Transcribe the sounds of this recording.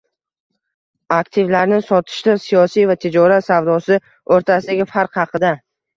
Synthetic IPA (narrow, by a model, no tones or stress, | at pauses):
akt̪ʰɪvlaɾnɪsɒt̪ʰɪ̥ʃlɪsijɒsijvat̪ʰed͡ʒɒɾat̪savd̪ɒsɪ | oɾt̪ʰasɪd̪aɡʲɪfaɾqhɑqʰɨd̪a